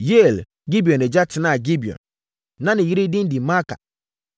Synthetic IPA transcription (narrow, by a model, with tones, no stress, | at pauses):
je˦˨l | ɡi˦bi˨ɔ̃˨nɛ˨d͡ʑa˦tʰɪ˨nã˦˨ɡi˦bi˨ɔ̰̃˨n | nã˦nɪ̃˨ji˦ɾi˦dĩ˦n˦di˨ma˦kʰa̰˨